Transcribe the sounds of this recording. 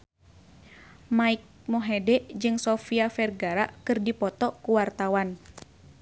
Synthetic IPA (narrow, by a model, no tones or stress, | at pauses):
maik̚mɔɦɛdɛʔd͡ʒɨŋsɔfiafɛrɡaɾaʔkɨrdipɔt̪ɔkuwart̪awan